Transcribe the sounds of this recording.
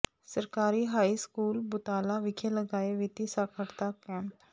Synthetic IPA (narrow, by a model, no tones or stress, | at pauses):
səɾkaːɾiɦaːiskuːlbʊt̪aːlaʋɪkʰeləɡaːeʋɪt̪isaːkʰəɽt̪akɛ̃ːmp